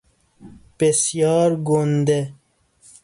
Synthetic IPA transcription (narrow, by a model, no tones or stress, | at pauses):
pesjɑːɾɡond̪e